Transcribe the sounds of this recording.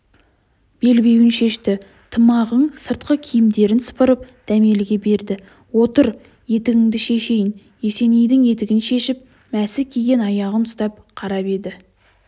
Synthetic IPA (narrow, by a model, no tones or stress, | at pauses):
b̥e̞lbʲe̞wɪnʃe̞ʃt̪ɪ | t̪ʰəmɑʁəɴsəɾt̪qəkʲʰijɪmd̪e̞ɾɪnsə̥pəɾəp̚d̪̥æme̞lɪɡʲe̞be̞ɾd̪ɪ | wo̞t̪əɾ | je̞t̪ɪɡʲɪŋd̪ɪʃe̞ʃe̞jɪn | je̞se̞nejd̪ɪŋje̞t̪ɪɡʲɪnʃe̞ʃɪp̚ | mæsɪkʲʰeɡʲe̞nɑjɑʁənʊst̪ɑp̚ | qʰɑɾɑpe̞d̪ɪ